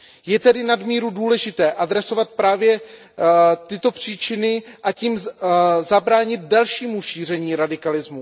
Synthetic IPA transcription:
jɛt̪ɛdɪnadmiːɾuduːlɛʒɪt̪ɛːʔadɾɛso̞vat̪̚pɾaːvjɛ | t̪ɪt̪o̞pr̝̥iːt͡ʃɪnɪʔaciːmzabɾaːɲɪt̪̚dalʃiːmuʃiːr̝ɛɲiːɾadɪkalɪzmu

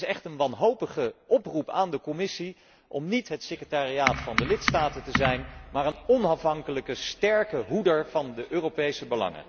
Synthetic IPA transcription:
sɛχtənʋɑnɦowpəχəʔɔprupaːndəkɔmɪsi | ʔɔmnitɦətsekrətaːriaːtfɑndəlɪtstaːtəntəzɛjnmaːɹənɔnɑfɦɑŋkələkəstɛɹkəɦudəɹv̥ɑndəʔøːropejsəbəlɑ̰ŋə̰

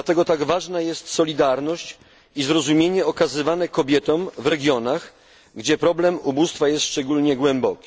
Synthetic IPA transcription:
at̪ɛɡɔt̪aɡvaʐnajɛst̪sɔlʲid̪aɾnɔɕt͡ɕ | izɾɔzumʲjeɲɛɔkazɘvanɛkɔbʲjɛt̪ɔmvɾɛɡʲjɔnax | ɡd͡ʑɛpɾɔblɛmubust̪fajɛst̪ːʂt͡ʂɛɡulɲɛɡwɛmbɔkʲi̥

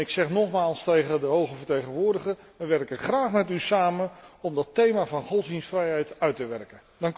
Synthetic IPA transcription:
ɪksɛχnɔχmaːlˠstejχədəɦowχəvəɹtejχənʋʊːɹdəχə | ʋəʋɛrkəχraːχmɛtysaːmənɔmdɑtejmaːvɑnχɔsdinsfrɛjɦɛjtœɥtəʋɛɹkən | dɑŋk

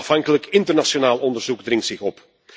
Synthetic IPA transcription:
ɑfɑŋkələkɪntərnasonaːlˠɔndəɹzuɡdrɪŋtsɪxɔp

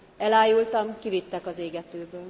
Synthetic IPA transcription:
ɛlaːjult̪ɒmkivit̪ːɛkɒzeːɡɛt̪øːbøːl

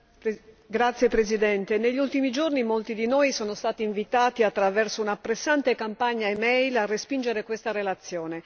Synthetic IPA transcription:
ɡɾat̪sːjepɾezid̪ɛnt̪eneʎːiult̪imid͡ʒornimolt̪id̪inoːjsɔːnost̪aːt̪iːɱvit̪aːt̪iat̪ːɾavɛrsounapːɾesːant̪ekampaɲːaemɛjlarːespind͡ʒeɾekwest̪aɾelat̪sːjoːne

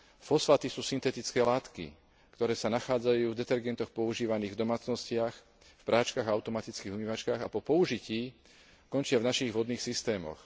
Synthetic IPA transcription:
fɔsfaːt̪isuːsint̪ɛt̪it͡skɛːlaːt̪kḭ | kt̪ɔɾɛːsanaxaːd͡zajuːvd̪ɛt̪ɛɾɡɛnt̪ɔxpɔuʒiːʋaniːɣvd̪ɔmaːt͡snɔscɪax | fpɾʔaːt͡ʃkaːɣaaʊt̪ɔmat̪it͡skiːɣumiːʋat͡ʃkaːɣapɔpɔuʒiciː | kɔnt͡ʃɪavnaʃiɣʋɔd̪niːxsist̪ɛːmɔ̰x

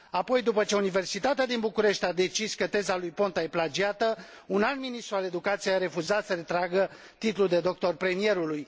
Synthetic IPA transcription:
apo̞jd̪upət͡ʃe̞unive̞rsit̪at̪ead̪inbukuɾe̞ʃt̪ʲad̪e̞t͡ʃiskət̪e̞zalujpo̞nt̪aje̞plad͡ʒiat̪ə | unalt̪minist̪ɾuale̞d̪ukat̪sijeaɾe̞fuzat̪səɾe̞t̪ɾaɡə | t̪it̪luld̪e̞d̪o̞k̚t̪o̞rpɾe̞mije̞ɾuluj

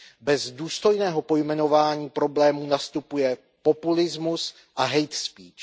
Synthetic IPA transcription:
bɛzduːst̪ojnɛːɦo̞po̞jmɛno̞vaːɲiːpɾo̞blɛːmuːnast̪upujɛ | po̞pulɪzmus | ʔaɦɛjt̪spiːt͡ʃ

